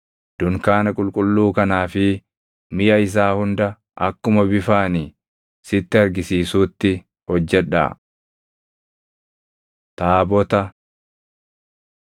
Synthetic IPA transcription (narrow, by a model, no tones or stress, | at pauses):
d̪̥ʊŋkaːnɐkʼʊlkʼʊlːuːkɐnaːfɪ | mɪjɐɪs̬aːhʊnd̪ɐ | ʔɐkːʊmɐbɪfaːni | sɪt̪ːɪɐɾɡɪsiːsuːt̪ːɪ | hɔd͡ʒːɛᶑa̰ː | t̪aːbɔt̪ɐ